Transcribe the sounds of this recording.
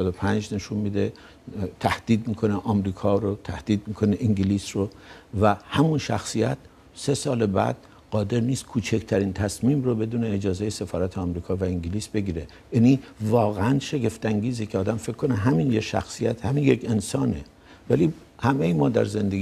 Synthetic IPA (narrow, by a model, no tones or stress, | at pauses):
d̪opʰænd͡ʒne̞ʃunmid̪e | t̪ʰæhd̪̥iːd̪̚mikʰo̞neʔɒːmɾiːkʰɒːɾot̪ʰæhd̪̥iːd̪̚mikʰoneʔiŋɟiliːsrovæhæmunʃæxsijæt̪̚ | se̞sɒːlebæ̰d̪̥ | ɢɒːd̪e̞ɾniːst̪̚kʰuːt͡ʃʰekʰt̪ʰæɾiːnt̪ʰæsmiːmrobe̞d̪uːneːd͡ʒɒːzejesefɒːɾæt̪ʰeɒmɾiːkʰɒːvæiŋɟiliːsb̥e̞ɡiːɾe | jænivɒːɣeænʃe̞ɡe̞ft̪æŋɡiːzecʰeɒːd̪æmfe̞kʰkːoneɦæminjeʃæ̰xsijæt̪hæminjekʰe̞nsɒːne | væli | hæmejimɒːd̪æ̰ɾze̞nd̪eɡ